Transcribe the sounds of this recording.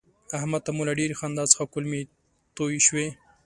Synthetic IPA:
ahmat̪t̪amulaɖeɾixɑnd̪ɑt͡sə̥xakʊlme | t̪ojiʃwe

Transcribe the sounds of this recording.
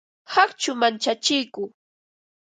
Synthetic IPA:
hakt͡ʃʊmant͡ʃat͡ʃɪjkʊ

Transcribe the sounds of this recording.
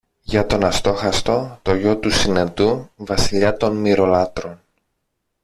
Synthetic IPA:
ʝɐt̪o̞nɐst̪o̞xɐst̪o̞t̪o̞ʝo̞t̪usinet̪uvɐsiʎɐt̪o̞nmiɾo̞lɐt̪ɾo̞n

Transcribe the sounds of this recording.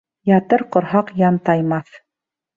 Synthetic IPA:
jɑt̪ɤɾqŏɾɦɑqjɑnt̪ɑjmɑθ

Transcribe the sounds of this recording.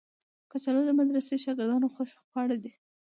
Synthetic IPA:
kat͡ʃalod̪əmad̪ɾaseʃɑɡɪɾd̪ɑnoxoʃpɑɽad̪i

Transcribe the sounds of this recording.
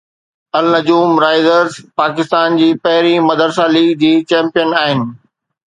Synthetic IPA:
ɐlnɐd͡ʑuːmɾaːɪzəɾzpaːkɪst̪aːnd͡ʑiːpɐɦɪɾimɐd̪əɾsaliːɡd͡ʑiːt͡ɕɛ̃ːmpijənaːɦɪnɪ̆

